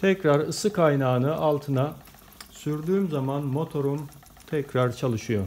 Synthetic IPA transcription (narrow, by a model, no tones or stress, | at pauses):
t̪ʰɛcɾaɾɯsɯkʰajnaːnɯʔalˠt̪ʰɯna | syɾd̪yːmzamanmo̞t̪ʰo̞ɾum | t̪ʰɛcɾaɾt͡ʃʰalˠɯʃɯjo̞